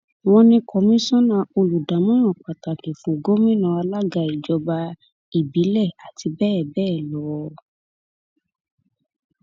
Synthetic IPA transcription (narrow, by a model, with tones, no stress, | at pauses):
w̃ɔ̃˧nĩ˧kɔ˧mĩ˦sɔ̃˦nã˧˨o˧lu˨da˨˦mɔ̃˦ɾ̃ɔ̃˦˨k͡pa˨ta˨kĩ˨fũ˨ɡo˦mĩ˦nã˧a˧la˦ɡa˧i˨d͡ʒɔ˧ba˧ | i˨bi˨˦lɛ˦˨a˨tʰi˧bɛ˦˨bɛː˦˨lɔ˨˦